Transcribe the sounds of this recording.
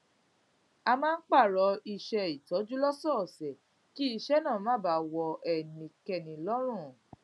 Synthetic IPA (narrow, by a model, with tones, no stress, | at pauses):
a˧mãː˦n̩˦k͡pa˦˨ɾɔ˧˦i˧ʃɛ˧i˨tɔ˨˦d͡ʒu˦lɔ˦sɔ˦˨sɛ˨ | ki˦i˧ʃɛ˦nãː˦˨mãː˦˨ba˨˦wɔ˧ʔɛ˨nĩ˨˧kɛ˧˨nĩ˨lɔ˦ɾ̃ũ˦˨